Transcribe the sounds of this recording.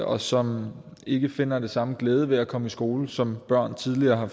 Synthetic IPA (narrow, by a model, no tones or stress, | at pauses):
ɒ̽sɒ̽m | e̝ɡ̥əfe̝n̰ɐd̥e̝sɑ̈məɡ̥leːð̞ˠəʋe̝ækʰɒ̽məisɡ̥o̝ːləsɒ̽mb̥ɶɐ̰nt͡sʰiðˠliɐːɦɑ̈